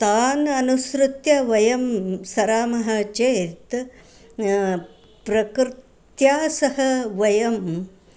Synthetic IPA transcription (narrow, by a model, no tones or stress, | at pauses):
t̪aːnɐnusɾut̪jɐʋɐjɐmsɐɾaːmɐɦɐt͡ʃeːt̪ | pɾɐkɾɪtt̪jaːsɐɦɐʋɐjɐm